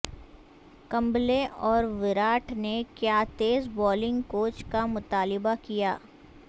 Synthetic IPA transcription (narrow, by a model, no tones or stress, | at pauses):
kɐ̃mbleʔɔːɾʋɪɾaːʈʰnekjaːt̪eːzbɔːlɪ̃ŋɡkoːt͡ʃkamʊt̪aːlɪbakijaː